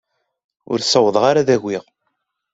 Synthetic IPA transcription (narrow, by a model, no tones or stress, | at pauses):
ʊ̰ɾsəwəðˤʁaɾaðæʝʷːiʁ